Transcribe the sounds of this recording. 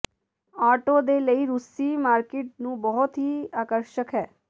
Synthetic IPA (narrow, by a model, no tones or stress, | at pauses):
aːʈoːd̪eːləiːɾʊsiːmaːɾkɪːʈ̚nũːbɔɦʊt̪ɦiːaːkəɾʃəkɦɛː